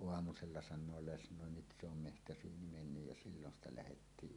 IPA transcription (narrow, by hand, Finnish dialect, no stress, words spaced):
oɑmuselːɑ sɑnˑoː lesnoˑe nyt se om mehtæsyːni menːyj jɑ silːon stɑ læhetːiːʔ